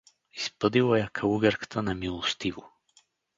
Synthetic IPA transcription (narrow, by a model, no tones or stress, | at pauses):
ispəd̪ilˠajakʰɐuɡɛɾkə̥t̪ənamilˠost̪ivo